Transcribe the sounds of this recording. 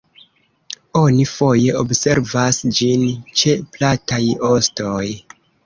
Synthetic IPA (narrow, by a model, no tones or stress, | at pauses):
o̞nifo̞je̞ʔobse̞ɾvasd͡ʒint͡ʃe̞platajo̞sto̞j